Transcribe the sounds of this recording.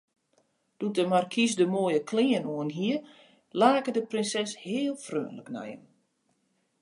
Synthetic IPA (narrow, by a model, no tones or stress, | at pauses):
d̥utəmarkʰisdəmoːjəkʰlɪːənoənɦiər | laːkədəprɪnsɛshɪːlˠfrø̰ːnləknɛ̰jə̰m